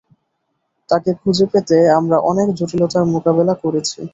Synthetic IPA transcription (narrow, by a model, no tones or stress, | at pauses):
t̪akekʰud͡ʑʱepet̪eamɾaʔɔnekd͡ʑoʈilot̪aɾmokabelakoɾet͡ɕʰḭ